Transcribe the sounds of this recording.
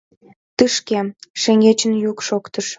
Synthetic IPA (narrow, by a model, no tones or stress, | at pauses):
t̪ɨʃkeʃeŋɡet͡ɕənjukʃokt̪əʃ